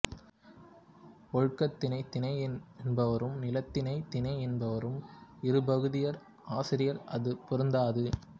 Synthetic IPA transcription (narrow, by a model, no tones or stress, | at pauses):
pɔɻɯkːɐt̪ːɪnɐɪt̪ːɪnɐɪɛnbɐʋɐɾɯmnɪlɐt̪ːɪnɐɪt̪ɪnɐɪɛnbɐʋɐɾɯmɪɾɯbɐɣɯðɪjɐɾ | aːsɪɾɪjɐɾɐðɯpʊɾɯnd̪aːðɯ